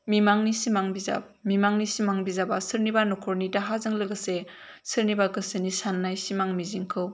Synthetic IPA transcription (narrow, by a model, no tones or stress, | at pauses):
mimaŋnisimaŋbiza̰p̚mimaŋnisimaŋbizabasɯɾnibanɔkʰɔɾnidaɦazɯŋlɯɡɯse | sɯɾnibaɡɯsɯnisanːajsimaŋmiziŋkʰɯw